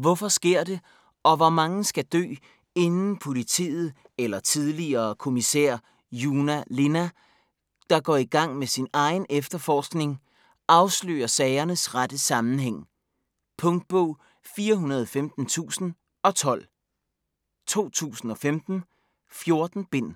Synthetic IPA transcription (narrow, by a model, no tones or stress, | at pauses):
ʋɒfɒ̽sɡ̥e̝ɐ̰d̥e̝ | ɒ̽ʋɒmɑ̈ŋəsɡ̥æd̥ø̰ː | e̝nn̩pʰo̝lit͡sʰḭːð̩ˠ | elɐt͡sʰið̞ˠliɐːkʰo̝misɛ̰ɐ̰ | juːnæle̝næ | d̥ɑ̈ɡ̥ɒ̰ːiɡ̥ɑ̈ŋ̰mesinɑ̈ɪnefd̥ɐfɒːsɡ̥ne̝ŋ | ɑ̈ʊslø̰ːɐsɛːɪɐnəsʁad̥əsɑ̈mn̩heŋ̰ | pʰɔ̽ŋd̥̚b̥ɔʊ̰ | fiːɐɦunɐðˠɒfemd̥n̩t͡sʰṵːsn̩ | ɒ̽t͡sʰɒ̽l̰ | t͡sʰo̝̰ːt͡sʰṵːsn̩ɒ̽femd̥n̩ | fjo̝ɐd̥n̩b̥e̝n̰